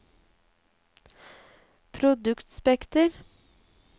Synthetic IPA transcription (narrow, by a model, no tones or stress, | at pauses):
pʰɾʊd̪ʉkt̪spɛkt̪əɾ